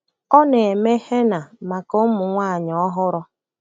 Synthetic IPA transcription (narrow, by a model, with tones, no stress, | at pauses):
ɔ˦ne˨e˨me˦he˦na˨ma˨ko˦mʊ˨ŋʷa˦˨ɲ˨ɔ˦ɦʊ˦ɾɔ˦